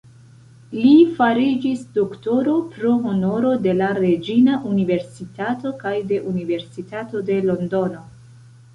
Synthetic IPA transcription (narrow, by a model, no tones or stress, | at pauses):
lifaɾid͡ʒisdokto̞ɾo̞pɾo̞ɦo̞no̞ɾo̞de̞laɾe̞d͡ʒinaʔunive̞ɾsitato̞kajde̞ʔunive̞ɾsitato̞de̞lo̞ndo̞no̞